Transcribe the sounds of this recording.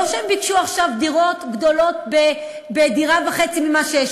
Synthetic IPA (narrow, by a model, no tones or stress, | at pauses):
oʃeembikʃuaχʃavd̪iʁo̞tɡd̪o̞lo̞tbe | bediʁavaχet͡simimaʃejeʃ